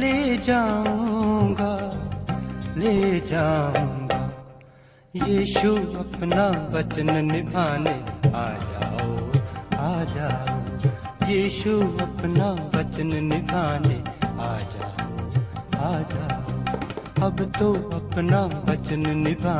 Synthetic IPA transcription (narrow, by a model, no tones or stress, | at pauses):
leːd͡ʒaːõõɡaː | leːd͡ʒaːũːɡaː | jiːʃuəpnaːʋət͡ʃənnɪbʱaːneaːd͡ʒaːoaːd͡ʒaːoː | jiːʃuəpnaːʋət͡ʃənnɪbʱaːneaːd͡ʒaːoːaːd͡ʒaːoəbt̪oːɐpnaːʋət͡ʃənnɪbʱaː